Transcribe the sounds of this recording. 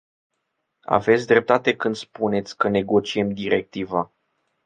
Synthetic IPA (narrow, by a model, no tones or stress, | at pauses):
a̰ve̞t̪sʲd̪ɾe̞p̚t̪at̪e̞kɨnd̪spune̞t̪sʲkəne̞ɡo̞t͡ʃie̞md̪iɾe̞k̚t̪iva